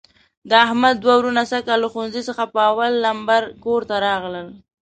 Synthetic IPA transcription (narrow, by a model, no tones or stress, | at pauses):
d̪əahmad̪ːwawɾunasakalːaxunzisəxapəawalːambaɾkoɾt̪aɾɑɣləl